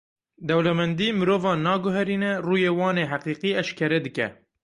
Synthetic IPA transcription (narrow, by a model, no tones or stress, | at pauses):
d̪ɛwlɛmɛnd̪iːmɨɾoːvɑːnɑːɡʊɦɛɾiːnɛruːjeːwɑːneːɦæqiːqiːɛʃkʰɛɾɛd̪ɨkɛ̰